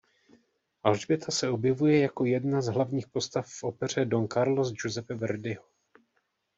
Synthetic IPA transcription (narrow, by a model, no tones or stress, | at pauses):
ʔalʒbɪt̪ʰasɛo̞bjɛvujɛjako̞jɛdnazɦlavɲiːxpo̞st̪afːʔo̞pɛr̝ɛdo̞nkaɾlosd͡ʒozɛfɛvɛɾdɪɦo